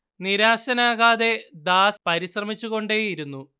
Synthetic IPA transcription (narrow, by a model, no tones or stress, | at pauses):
niɾaːɕɐnaːɣaːðe̞d̪aːspɐɾiɕrɐmit͡ɕːuɣo̞ɳɖe̞iɾunːu